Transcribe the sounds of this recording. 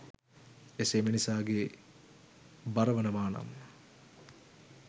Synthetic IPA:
esemenisaːɡe | baɾəʋənəmaːnɐ̰mː

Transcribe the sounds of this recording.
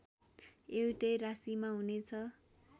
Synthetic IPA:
ewuʈʌjrasimaɦunet͡sʰʌ

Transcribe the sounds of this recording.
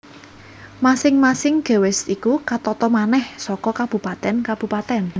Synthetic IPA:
masɪŋmasɪŋɡ̥e̤wɪsikukat̪ɔt̪ɔmanɛhsɔkɔkab̥ṳpat̪ɛnkab̥ṳpat̪ɛn

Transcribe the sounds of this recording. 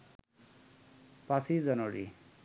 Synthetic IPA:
pasid͡zʌnoɾḭ

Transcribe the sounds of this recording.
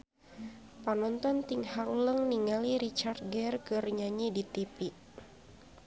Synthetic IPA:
panɔnt̪ɔnt̪iŋhaɾuləŋniŋaliɾit͡ʃart̪̚ɡɛrkɨrɲaɲidit̪ipiʔ

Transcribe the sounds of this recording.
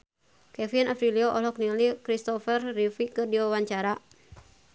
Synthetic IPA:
kɛfinafɾiliɔʔɔlɔknilikɾist̪ɔfərːifikɨrdiwawaɲt͡ʃaɾa

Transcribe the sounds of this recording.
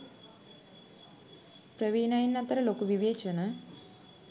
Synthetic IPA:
pɾɐʋiːnaːjinːat̪ːɐɾɐloːkuʋiʋeːt͡ʃɐnɐ

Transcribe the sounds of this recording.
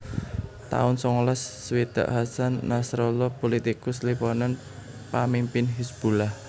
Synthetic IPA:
t̪a̰ʊnsɔŋɔlɔsːwid̪̥a̰ʔɦasanːasɾɔlɔpolit̪ikʊslipɔnan | pamimpɪnɦisb̥ulah

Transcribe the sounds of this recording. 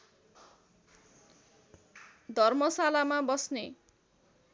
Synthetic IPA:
d̪ʱʌrmʌsalamabʌsne

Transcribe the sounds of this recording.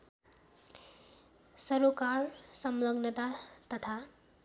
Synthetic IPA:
sʌɾukaɾsʌmlʌɡnət̪at̪ʌt̪ʰa

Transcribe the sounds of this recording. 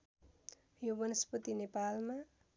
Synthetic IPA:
jobʌnʌspʌt̪inepalma

